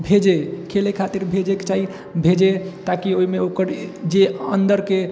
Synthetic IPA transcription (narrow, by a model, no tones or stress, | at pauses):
bʱed͡ʒekʰelekʰat̪iɾbʱed͡ʒeket͡ʃaɦi | bʱed͡ʒet̪akioimeokəɾd͡ʒeənd̪əɾke